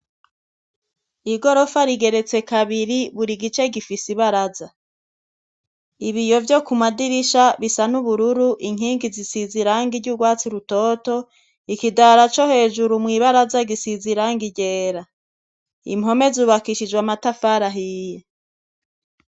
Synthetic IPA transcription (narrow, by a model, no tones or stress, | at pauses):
iɡo̞ɾo̞faɾiɡe̞ɾe̞t͡se̞kaβiɾiβuɾiɡit͡ʃe̞ɡifisiβaɾaza | iβijo̞vjo̞kumadiɾiʃaβisanuβuɾuɾuʔiŋiːŋɡizisiziɾaːŋɡiɾɟuɡwaːt͡siɾuto̞ːto̞ | ikidaɾat͡ʃo̞he̞ːʒuɾumŋiːβaɾazaɡisiziɾaːŋɡiɟeːɾa | ḭmɦo̞me̞zuːβakiʃid͡ʒɡwamatafaːɾaɦije